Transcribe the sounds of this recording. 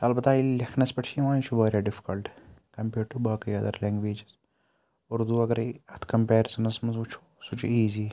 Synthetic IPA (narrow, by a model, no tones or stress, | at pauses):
ɐlbɐt̪aːilɐkʰnɐspɐʈʃʰiʋãːnt͡ʃʰubaːɾjaːɖɪfi̥kɐlʈkɐmpeːɖʈubaːkɐjɐd̪ɐ̰ɾlɛ̃ːŋɡʋeːd͡ʒɪz | ʊɾd̪uɐɡɐɾiɐt̪ʰkɐmpeːɾsɐnɐsmɐzut͡ʃʰu̥ | sut͡ʃʰuiːziː